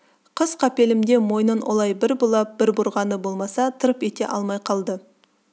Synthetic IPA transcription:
qʰəz̥qʰɑpe̞lɪmd̪e̞mo̞jnənwʔo̰lˠɑjbɪɾbʊlˠɑp̚b̥ɪɾbʊɾʁɑnəbo̞lˠmɑsɑt̪ʰəɾəpe̞t̪e̞̰ʔɑlˠmɑjqʰɑlˠd̪ə

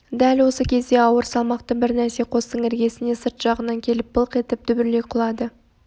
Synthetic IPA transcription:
d̪ælwo̞səkʲʰe̞zd̪e̞ɑwəɾsɑlˠmɑqt̪əbɪɾnæɾse̞qʰo̞st̪əɴɪɾɡʲe̞sɪne̞səɾt̪ʒ̥ɑʁənɑŋkʲʰe̞lɪp̚bəlˠəqe̞t̪ɪp̚t̪ʰʏbɪɾle̞qʰʊlˠɑd̪ə

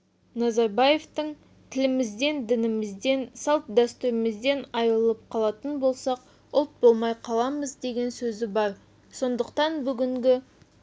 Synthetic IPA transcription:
nɑzɑɾbaje̞ft̪əɴ | t̪ʰɪlɪmɪzd̪e̞nd̪ɪnɪmɪzd̪e̞nsɑlˠp̪̚d̪æst̪uɾɪmɪzd̪e̞nɑjɾəlˠəp̚qʰɑlˠɑt̪ənbo̞lˠsɑq̚ | ʊlˠt̪̚bo̞lˠmɑjqʰɑlˠɑməzd̪e̞ɡʲe̞nsɵzɪbɑɾ | so̞nd̪əqt̪ɑnbʏɡʲɪŋɡʲɪ

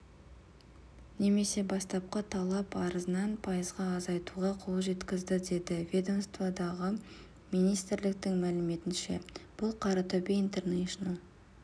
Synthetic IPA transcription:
ne̞me̞se̞bɑst̪ɑp̚qət̪ʰɑlˠɑpɑɾəzənɑnpʰɑjəzʁɑːzɑjt̪uʁɑqʰolˠʒe̞t̪kʲɪzd̪ɪd̪e̞d̪ɪvʲe̞d̪o̞mst̪vad̪ɑʁə | mijnijst̪ɪɾlɪk̚t̪ɪŋmælɪme̞t̪ɪnʃe̞̰b̥ʊlˠqʰɑɾɑt̪ʰɵbeint̪e̞rneʃonəlˠ

